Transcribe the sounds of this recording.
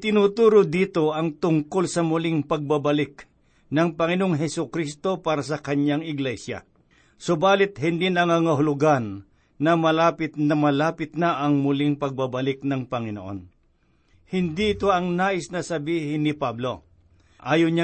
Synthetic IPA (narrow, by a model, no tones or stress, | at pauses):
t̪ɪnuːt̪uːɾod̪iːt̪o̞ɐŋt̪ʊŋkolsɐmʊlɪŋpɐɡ̚babɐlɪk̚ | nɐŋpɐŋɪnooŋɦɛsʊkɾist̪o̞paːɾɐs̬ɐkɐɲaŋɪɡlɛsja̰ | sʊbaːlɪt̪̚ɦɪnd̪ɪnɐŋɐŋɐɦʊlʊɡanː | ɐmɐlaːpɪt̪̚nɐmɐlaːpɪt̪̚naʔɐŋmʊlɪŋpɐɡ̚babɐlɪk̚nɐŋpɐŋɪnoʔo̰n | hɪnd̪iɪt̪oɐŋnaːʔɪsnɐsɐbiːɦɪnːɪpablo̞̰ | ʔaːjoɲa